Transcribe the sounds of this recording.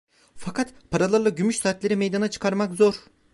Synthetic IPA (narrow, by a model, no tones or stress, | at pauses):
fakʰat̪pʰaɾalˠaɾlˠaɟymyʃsaːt̪lʲeɾimejd̪anat͡ʃʰɯ̥kʰaɾmakzo̞ɾ